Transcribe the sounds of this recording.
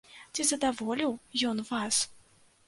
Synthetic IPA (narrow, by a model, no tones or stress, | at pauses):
t͡sʲizɐd̪avɔlʲiwjɔnvas